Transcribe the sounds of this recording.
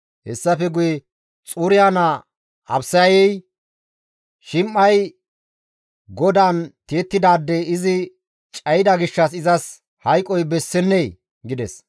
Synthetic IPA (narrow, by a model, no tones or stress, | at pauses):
hɛsːɐfɛɡʊjɛ | t͡sʼuɾɪjaːnɐ | ɐ̰bsɐjɛj | ʃɪmːɐj | ɡɔd̪ant̪eːt̪ːɪd̪aːd̪ːɛɪzɪ | t͡ʃʼɐjɪd̪ɐɡɪʃːɐsɪzɐs | hɐjkʼːɔjbɛsːɛnːej | ɡɪd̪ɛs